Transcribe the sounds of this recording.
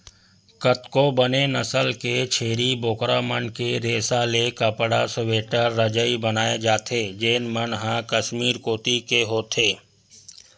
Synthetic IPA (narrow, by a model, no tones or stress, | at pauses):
kət̪kobənenɐsəlket͡ʃʰeːɾiboːkɾamənkeɾeːsalekəpɽasəʋeːʈəɾːəd͡ʒəibənaːed͡ʒaːt̪ʰeːd͡ʒeːnmənɦãkəʃmiːɾkoːt̪ikeɦoːt̪ʰeː